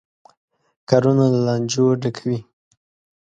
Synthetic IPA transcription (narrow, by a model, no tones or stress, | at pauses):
kɑɾunalalɑnd͡ʒoɖakʰawi